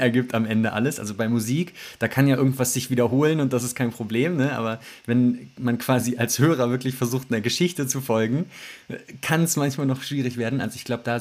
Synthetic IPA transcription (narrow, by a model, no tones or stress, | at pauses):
ʔɛɐɡiːp̚tamʔɛndəʔa̰ləsʔa̰lzobaɪmuziːkd̥aːkʰanjaːʔɪɐɡŋ̩tv̥asz̥ɪçv̥iːdɐɦoːlənʊnt̚d̥asɪstkʰaɪnpʁ̥obleːmnəʔa̰ːbɐvɛnmankv̥aːziʔalshøːʁ̞ɐvɪɐklɪçfɛɐzuːxt̚neːɐɡəʃɪçtət͡sufɔlɡŋ̩ | kʰansmançmaːlnɔχʃv̥iːʁ̞ɪçv̥eːɐdn̩ʔa̰lzoɪçɡ̥laʊbəd̥aː